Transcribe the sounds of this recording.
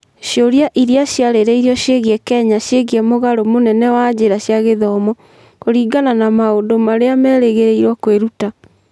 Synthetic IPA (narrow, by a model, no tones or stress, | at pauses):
ɕjoɾjaʔiɾiaɕjaɾeɾeiɾɔɕeɣiɛkɛɲaɕjeɣiɛmoɣaɾomonɛnɛwad͡ʑeɾaɕjaɣeðɔmɔ | koɾiːɡananamaodomaɾeamɛːɾeɣeɾeiɾwɔkweɾuta